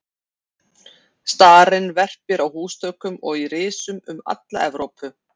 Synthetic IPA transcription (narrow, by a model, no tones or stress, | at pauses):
st̪aːɾɪnvɛr̥pɪɾawhuːst̪œɥkʏmɔɣirɪːsʏmʏma̰t̪la̰ɛvɾowpʰʏ